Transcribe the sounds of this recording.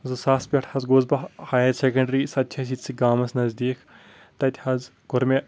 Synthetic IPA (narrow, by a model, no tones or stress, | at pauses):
zɨsaːspʲɐʈʰhɐzɡozbɐhaːjɐtsekɐ̃ɳɖɐɾiːsɐt̪ʲt͡ʃʰɐs̬it͡sʰɨɡaːmɐsnɐzd̪iːkʰ | t̪ɐt̪ʲʰhɐz | ɡ̥ʊɾmʲe